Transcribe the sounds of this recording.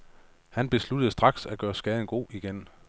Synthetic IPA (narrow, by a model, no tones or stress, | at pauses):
hænb̥e̝slud̥əð̩ˠsd̥ʁɑ̈ɡ̥sæɡ̥ɶːɐsɡ̥ɛːð̞ˠn̩ɡ̥o̝̰ːiɡ̥en